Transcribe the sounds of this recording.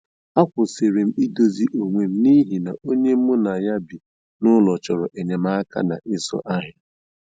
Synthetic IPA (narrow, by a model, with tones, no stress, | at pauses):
a˦kʷʊ˨se˨ɾe˨m̩˦i˦do˨zi˦ʔo˨ŋʷe˨m̩˦ni˦ɦi˨na˨o˦ɲe˦m̩˦mʊ˦na˨ja˦bi˨ | nʊ˦lɔ˨t͡ʃɔ˨ɾɔ˨ʔe˨ɲe˨m̩a˦a˦ka̰˦na̰˨ʔɪ˦sɔ̰˦ʔa˦ɦɪ˨